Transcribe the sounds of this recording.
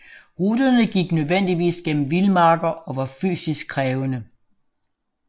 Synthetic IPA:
ʁud̥ɐnəɡ̥iɡ̥nøðˠʋen̰d̥iʋḭːsɡ̥en̰m̩ʋilmɑ̈ːɡ̥ɐɒ̽ʋɑ̈fy̰ːsisɡ̥̚kʰʁɛːʊənə

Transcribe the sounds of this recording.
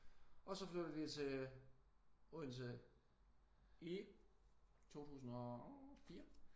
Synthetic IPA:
ɒ̽sɒ̽fløɾðˠʋit͡sʰe̝ | uðˠns̬ə | i | t͡sʰo̝̰ːt͡sʰṵːsn̩ɒ̽fiːɐ

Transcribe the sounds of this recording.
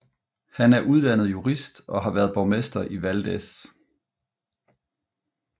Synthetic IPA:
hænæɐʔuð̞ˠd̥ænð̩ˠjuʁisd̥ɒ̽ɦɑ̈ʋæːɐðˠb̥ɒʊmesd̥ɐʔiʋæld̥es

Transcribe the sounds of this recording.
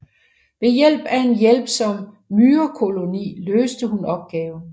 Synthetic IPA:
ʋe̝jel̰b̥æe̝njel̰b̥sɒ̽m | myːɐkʰo̝lo̝nḭːløːsd̥əhunɒ̽b̥̚ɡ̥ɛːʊ

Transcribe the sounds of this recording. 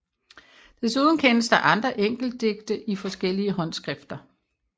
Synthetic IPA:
d̥e̝suð̞ˠn̩kʰenəsd̥ɑ̈ʔɑ̈nd̥ʁɐʔeŋ̰ɡ̥l̩d̥̚ːe̝ɡ̥̚d̥əʔifɒ̽sɡ̥el̰iəɦɒ̽n̰sɡ̥ʁɛfd̥ɐ

